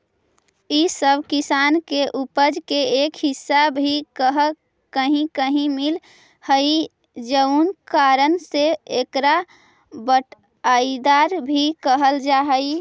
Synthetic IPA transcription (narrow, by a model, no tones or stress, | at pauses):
isəbʱkisankeʔupəd͡ʒkeekɦɪsːabbʱikəɦə | kəɦĩkəɦĩmil | həi | d͡ʒəunkaɾənseekɾa | bəʈʰ | aid̪aɾbʱikəɦəld͡ʒaɦəi